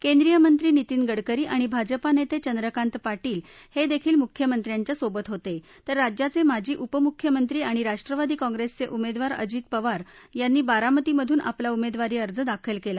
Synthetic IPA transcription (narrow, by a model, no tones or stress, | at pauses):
kẽnd̪ɾijəmənt̪ɾiːnit̪iːnɡəɽkəɾiːʔaɽ̃ibʱad͡zəpanet̪et͡ɕənd̪ɾəkãnt̪paʈiːlhed̪ekʰiːlmukʰjəmənt̪ɾjaɲt͡ɕjasobət̪ɦot̪e | t̪əɾːad͡ʑjat͡semad͡ʑʱiːʔupəmukʰːjəmənt̪ɾiːaɽ̃iɾaʂʈɾəʋad̪iːkɔ̃ŋɡɾest͡seʔumed̪ʋaɾə̰d͡ʑiːt̪̚pəʋaɾjanːiːbaɾamət̪iməd̪ʱuːnʔa̰plaumed̪ʋaɾiːəɾd͡zəd̪akʰəlkela